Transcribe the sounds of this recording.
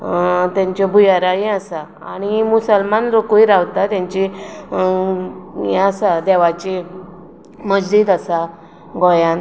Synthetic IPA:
t̪jãɲt͡ɕɔbʱujaɾajẽasa | a̰ɽ̃imusəlmanɾokoiɾaʋt̪at̪jãɲt͡ɕi | ɛ̃əsad̪ɛʋat͡ɕe | məd͡ʑd̪iːd̪asa | ɡɔjãn

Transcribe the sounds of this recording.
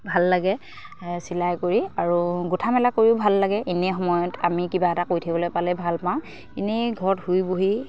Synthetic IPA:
bʱalːaɡɛ | silajkoɹiaɹuɡutʰamɛlakoɹiʊbʱalːaɡɛʔinɛxɔmɔjɔtamikibaɛtakojtʰibɔlojpalɛjbʱalpawʊ̃ | inɛɡʱɔɹɔthujboɦi

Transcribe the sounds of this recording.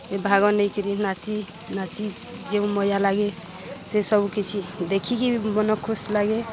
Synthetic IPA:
ebʱaɡɔnəjkiɾinat͡ʃi | nat͡ʃi | d͡ʒeũmɔjalaɡe | sesɔbukit͡ʃʰid̪ekʰikimɔnɔkʰːoslaɡe

